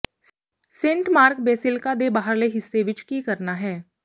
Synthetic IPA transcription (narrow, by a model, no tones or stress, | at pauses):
sẽːɳʈmaːɾkbeːsɪlkad̪ebaːɦəɾleɦɪsːeʋɪt͡ʃkikɐɾnaɦɛː